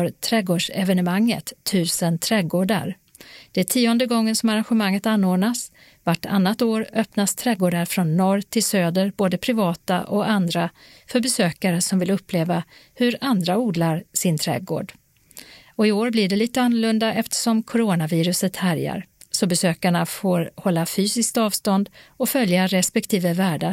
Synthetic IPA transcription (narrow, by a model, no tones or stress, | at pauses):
ɾt̪ʰɾɛɡoːɖʂɛvɛnəmaŋːə̰t̪ʰːʉ̟ːsənt̪ʰɾɛːɡoːɖa̰ɾ | d̪̥ɛæːʈʰiːɔnd̪əɡɔŋːənsɔmaɾanɧəmaŋːət̪anːoːd̪nas | vaʈːa̰nːat̪oːɾœpnast̪ʰɾɛɡoːɖaɾfɾɔnːɔɾt̪ʰɪlsøːd̪əɾboːd̪əpʰɾɪvɑːt̪a̰ʔɔand̪ɾa | fœɾbɛsøːkaɾəsɔmvɪlɵpʰːleːvahɵɾand̪ɾauːd̪laɾsɪnt̪ʰɾɛ̰ːɡo̰ːɖ | ɔɪoːɾblɪɖɛliːt̪əanːɵɭɵnd̪aʔɛft̪ə̥ʂɔmkʰʊɾoːnaviːɾɵsət̪hæɾja̰ɾsɔbɛsøːkaɳafoːɾhɔlːafyːsɪskt̪ɑːvst̪ɔnd̪ɔfœljaɾɛspɛk̚t̪ʰiːvəvæːɖa